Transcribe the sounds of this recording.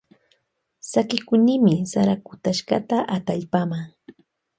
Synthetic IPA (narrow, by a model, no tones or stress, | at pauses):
sakɪkʊnɪmɪsaɾakʊt̪aʃka̰t̪aʔat̪aʎpamaŋ